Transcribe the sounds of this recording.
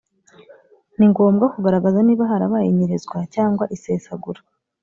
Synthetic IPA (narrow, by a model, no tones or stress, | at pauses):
niŋɡo̞ːmɡakuɡaɾaɡazaniːβaɦaɾaβajiɲiɾezɡwacaːŋɡwaʔise̞ːsaɡuɾa